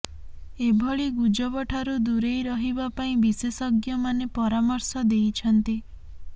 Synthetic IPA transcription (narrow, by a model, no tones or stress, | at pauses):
ebʱɔɭiɡud͡ʒɔbɔʈʰaɾud̪uɾejɾɔɦibapaĩbisesɔɡjɔmanepɔɾamɔɾsɔd̪ejt͡ʃʰɔnt̪i